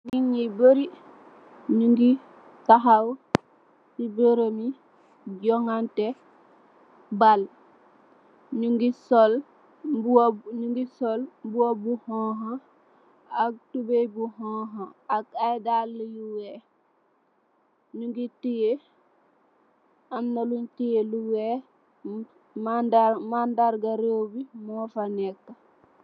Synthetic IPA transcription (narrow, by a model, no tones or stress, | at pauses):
niɲiboɾi | ɲuŋɡi | taɦaw | sibəɾəmi | ɟɔŋante | bal | ɲuŋɡisol | bɲuŋɡisolmbuwobuhɔ̃ɦa | ak̚tubebuɦɔɦaakajdalːijuwe | ɲuŋɡitije | amnaluntijeluwe | madamandaɾɡaɾewbimɔːfanɛkːa